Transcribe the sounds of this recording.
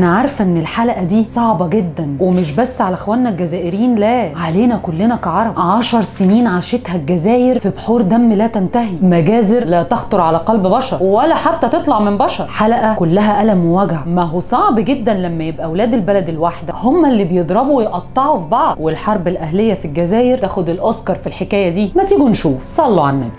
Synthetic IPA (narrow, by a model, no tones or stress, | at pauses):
ʔnæʕɑɾˤfʔenːelħalæʔæd̪iːsˤɑʕbɑɡed̪ːænwemeʃ̬bæsːʕalæʔxwælnælɡæzæːʔeɾiːnlæːʕaleːnækolːenækɑʕɑɾˤɑbʕɑʃɑɾˤseniːnʕaʃet̪hælɡæzæːjeɾfibħuːɾd̪æmːlæːt̪ænt̪æɦimæɡæːzeɾlæːt̪ɑxt̪ˤoɾˤʕalæqɑlbbɑʃɑɾˤwælːæħat̪ːæt̪et̪ˤlɑʕmenbɑʃɑɾˤħalæʔækolːæɦæʔælæmewæɡʕamæɦusˤɑʕbɡed̪ːænlæmːæjebʔæwlæːd̪elbælæd̪elwaħd̪æhomːælːiːbejed̪ˤɾˤɑbuwjeʔɑt̪ˤːɑʕufibɑʕd̪welħɑɾˤbelʔæhlejːæfilɡæzæːjeɾtæːxod̪elʔɑskɑɾˤfilħekæːjæd̪iːmæt̪iːɡunʃuːfsˤɑlːoʕanːæk